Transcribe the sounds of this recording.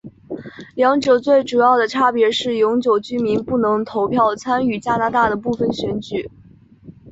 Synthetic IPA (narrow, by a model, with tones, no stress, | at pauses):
ljɑ˧˥ŋʈ͡ʂɤ˨˩ʊt͡swe˥˩ɪʈ͡ʂu˨˩jɑ˥˩ʊd̪ə˩ʈ͡ʂʰa˥pjɛ˧˥ʂɻ̩˥˩jʊ˧˥ŋt͡ɕjo˨˩ʊt͡ɕy˥mi˧˥npu˥˩nɤ˧˥ŋt̪ʰo˧˥ʊpʰjɑ˥˩ʊt͡sʰa˥ny˨˩t͡ɕja˥na˧˥t̪a˥˩d̪ə˩pu˥˩fə˨˩nɕɥɛ˧˥nt͡ɕy˨˩˦